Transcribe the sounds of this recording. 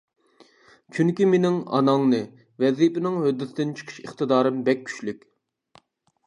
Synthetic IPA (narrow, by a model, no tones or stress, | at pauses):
t͡ʃʰyŋkʲimenɪŋɑ̰nɑŋnɨ | vɛzipɪnɪŋhød̪ːɪt̪d̪ɪnt͡ʃʰə̥qʰə̥ʃə̰χt̪ɨd̪ɑːɾɨmbɛk̚ʲʰːy̥ʃlykʲ